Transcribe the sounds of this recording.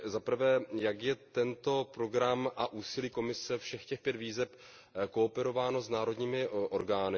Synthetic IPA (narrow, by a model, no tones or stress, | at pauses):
zapr̩vɛːjakjɛt̪ɛnt̪o̞pɾo̞ɡɾamʔaʔuːsɪliːko̞mɪsɛfʃɛxcɛxpjɛt̪viːzɛp | ko̞ːpɛɾo̞vaːno̞znaːɾo̞dɲiːmɪʔo̞ɾɡaːnɪ